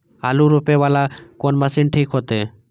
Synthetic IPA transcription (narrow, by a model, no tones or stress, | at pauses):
a̰luɾupebalakɔnmasinʈʰikɦɔt̪e